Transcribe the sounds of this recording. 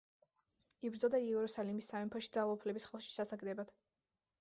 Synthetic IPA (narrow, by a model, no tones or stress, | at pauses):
ibɾd̪zɔd̪aiɛɛɾusalimisːaɛmpʰɔʃid̪zalˠaupʰlɛbisχɛlˠʃi̥sasaɡd̪ɛbad̪̥